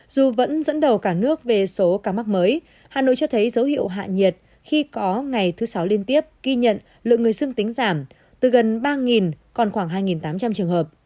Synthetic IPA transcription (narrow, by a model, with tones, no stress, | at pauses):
zu˨˩və̰˧˥nzə̰˧˥nɗə˨˩wkaː˧˩nɨ˦˥ək̚ve˨˩so˨˦kaː˧˩ma˦˥k̚məː˨˦j | haː˨˩no̰˧˨jt͡ɕɔ˧t̪ʰə˨˦jzə˨˦whḭ˧˨əwɦa̰ː˧˨ɲi˨˩t̚ | xi˧kɔ˨˦ŋa˨˩jt̪ʰɨ˨˦sa˨˦wli˧ənt̪i˦˥əp̚ɣi˧ɲə̰˧˨n | lɨ̰˧˨ŋɨ˨˩əjsɨ˧ŋt̪ï˨˦ŋ̟zaː˧˩m | t̪ɨ˨˩ɣə˨˩nɓaː˧ŋi˨˩n | kɔ˨˩nxwaː˧˩ŋɦaː˧jŋi˨˩nt̪aː˨˦mt͡ɕa˧mt͡ɕɨ˨˩əŋhəː˨˩p̚